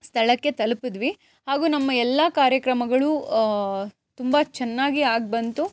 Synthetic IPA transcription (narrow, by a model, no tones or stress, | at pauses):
st̪ʰɐɭɐkːe̞t̪ɐlupid̪ʋi | haːɡuːnɐmːɐɛlːɐkaːɾjɐkɾɐmɐɡɐɭu | t̪umbɐt͡ʃɛnːaːɡiaːɡ̚bɐnt̪u